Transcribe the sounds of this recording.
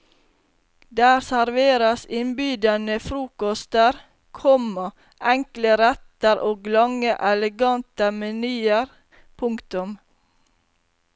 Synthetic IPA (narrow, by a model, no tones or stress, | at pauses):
d̪æːɾsæɾʋeːɾəsɪnbyːd̪ɑnəfɾuːkɔst̪əɾ | kʰɔmə | ʔɛŋkləɾɛt̪əɾʔoːɡlɑŋəʔɛləɡɑnt̪əmɛnyːəɾ | pʰʊŋkt̪ʊm